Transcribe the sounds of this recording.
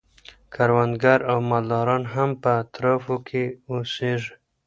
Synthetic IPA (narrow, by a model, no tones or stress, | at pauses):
kʰaɾwand̪ɡaɾawmald̪ɑɾɑnɦampəːt̪ɾɑfokʰeoseʐ